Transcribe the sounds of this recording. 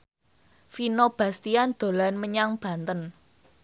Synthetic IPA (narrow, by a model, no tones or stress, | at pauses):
finob̥ä̤st̪iand̪̥o̤lanməɲaŋb̥ä̤nt̪ən